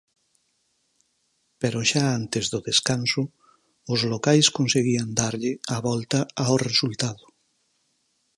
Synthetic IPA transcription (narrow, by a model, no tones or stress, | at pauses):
peɾʊʃaant̪ezðʊðeskansʊ | ʊzlokajskonseɣiand̪aɾʎɪaβɔlt̪ɐaoresult̪aðʊ